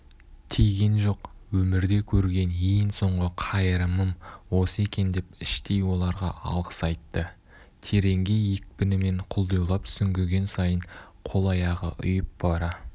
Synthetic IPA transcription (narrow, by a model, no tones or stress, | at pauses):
t̪ʰejɡʲe̞nʒo̞qwɵmɪɾd̪e̞kʲʰɵɾɡʲe̞njejnso̞ɴʁəqʰɑjəɾəməmwo̞səe̞kʲe̞nd̪e̞pɪʃt̪ejwo̞lˠɑɾʁɑ̰ɑ̰lˠʁəsɑjt̪ːə | t̪ʰe̞ɾe̞ŋɡʲe̞ek̚pɪnɪme̞ɴqʰʊlˠd̪ujlˠɑpsʏŋɡʲeɡʲe̞nsɑjəɴ | qʰo̞lˠɑjɑʁə̰ʔʊ̰jəp̚b̥ɑɾɑ